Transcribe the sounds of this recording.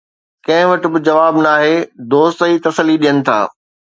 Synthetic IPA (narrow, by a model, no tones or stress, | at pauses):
kɐ̃ɦɪ̃ʋɐʈɪ̆bɪd͡ʑɐʋaːbnaːɦeːd̪oːst̪iːt̪ɐsəliɗijənɪ̆t̪ʰa̰ː